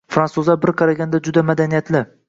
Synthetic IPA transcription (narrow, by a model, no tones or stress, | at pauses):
fɾansuzabɪɾqʰɑɾaɡʲand̪ad͡ʒʊd̪amad̪anijat̪ʰlɪ